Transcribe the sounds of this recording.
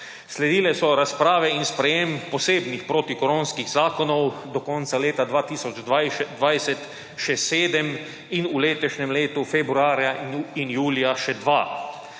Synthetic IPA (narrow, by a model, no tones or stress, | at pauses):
slɛd̪iːlɛsɔɾaspɾaːʋɛinspɾɛjempɔseːbnixpɾoːt̪ikɔɾõːnskiɣzaːkɔnɔwd̪ɔkɔnt̪saleːt̪ad̪ʋaːt̪iːsɔd͡ʒd̪aj̪ʋajsɛt̪ | ʃɛseːd̪ɛm | inuleːt̪ɔʃɲɛmleːt̪ufɛbɾuaːɾjainjuːlijaʃɛd̪ʋaː